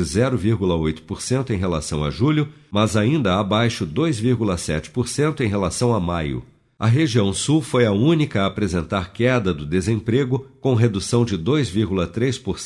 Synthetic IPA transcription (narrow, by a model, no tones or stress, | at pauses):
ɪzɛɾʊviɾɡulɐojt̪ʊ̥poɾsẽnt̪ʊẽj̃ɦelasɐ̃w̃a̰ʒulʲʊ | mɐzaĩnd̪ɐabajʃʊd̪ojzviɾɡulɐsɛ̰t͡ʃɪ̥poɾsẽnt̪ʊẽɦelasɐ̃w̃ɐmajʊ̰ | ɐɦeʒiɐ̃w̃suwfojɐũnikɐːpɾezẽnt̪aɾkɛd̪ɐd̪ʊd̪ezẽpɾeɡʊkõɦed̪usɐ̃w̃d͡ʒɪd̪ojzviɾɡulɐt̪ɾespoɾs